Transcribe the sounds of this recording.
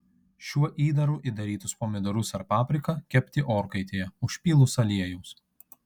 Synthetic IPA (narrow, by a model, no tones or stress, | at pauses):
ʃʲuɔʔiːd̪ɐɾuːʔid̪ɐɾʲiːt̪ʊspoːmʲɪd̪ɔɾʊsɐɾpɑːpʲɾʲɪkɐkʲɛpʲt̪ʲɪʔoːɾkɐɪt̪ʲeːjɛʊʃʲpʲiːlˠʊsɐlʲiɛjuːs